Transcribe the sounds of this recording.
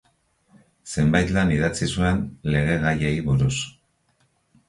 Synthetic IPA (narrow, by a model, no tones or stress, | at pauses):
se̞mbajt̪laniðat͡sisue̞nle̞ɣ̞e̞ɣajejβuɾus